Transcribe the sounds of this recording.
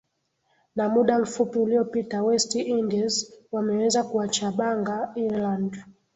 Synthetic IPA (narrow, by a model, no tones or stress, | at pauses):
namuɗam̩fupiuliɔpitawɛstiindɛzwamɛwɛzakuat͡ʃaɓaŋɡaiɾland